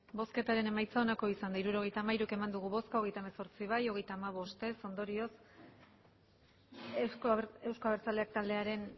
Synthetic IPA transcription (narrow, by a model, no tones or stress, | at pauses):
bo̞ske̞t̪aɾe̞ne̞majt͡sao̞nako̞isand̪aiɾuɾo̞ɣ̞e̞jt̪aːmaiɾuke̞mand̪uɣuβo̞skaoɣe̞jt̪aemeso̞ɾt͡siβ̞ajo̞ɣe̞jt̪aːmaβ̞o̞st̪e̞so̞nd̪o̞ɾio̞s | e̞wskoaβeɾt͡sale̞ak̚t̪ald̪e̞aɾe̞n